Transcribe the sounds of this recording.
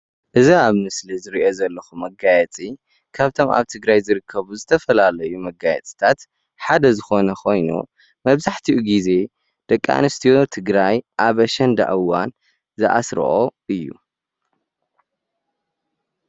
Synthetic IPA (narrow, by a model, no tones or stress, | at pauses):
ʔɨziaβmɨslizɨɾiʔozɐlːɐxumɐɡajɛt͡sʼi | kʰaβt̪ʰo̞ma̰βt̪ʰɨɡɾajzɨɾɨkʰːɐβuzɨt̪ʰɐfɐlalɐjumɐɡajɛ̰t͡sʼi̥t̪ʰat̪ | ħad̪ɐzɨxo̞nɐxʰo̞jnṵ | mɐβzaħt̪ʰiʔuɡize̞ | d̪̥ɐkʼːa̰nɨst̪ʰijo̞t̪ʰɨɡɾajʔaβɐʃɐnd̪a̰ʔɨwːan | zɨʔa̰sɾɐ̰ʔo̞ʔɨjːṵ